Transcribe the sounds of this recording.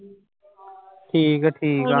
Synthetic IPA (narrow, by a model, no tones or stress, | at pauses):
ʈʰiːkʈʰiːka